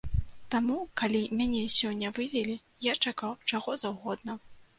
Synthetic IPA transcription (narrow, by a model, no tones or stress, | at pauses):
t̪amukalʲimʲanʲɛsʲɔnʲːɐvɨvʲɛlʲi | jat͡ʂakawt͡ʂaɣɔzawɣɔd̪̚nɐ